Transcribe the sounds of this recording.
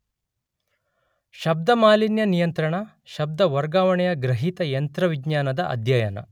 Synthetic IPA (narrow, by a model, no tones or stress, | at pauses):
ʃɐb̚d̪ɐmaːlinjɐnijɐnt̪ɾɐɳɐ | ʃɐb̚d̪ɐʋɐɾɡaːʋɐɳɛjɐɡɾɐɦit̪ɐjɐnt̪ɾɐʋiɡɲaːnɐd̪ɐʔɐ̰d̪ʱjɐjɐnɐ̰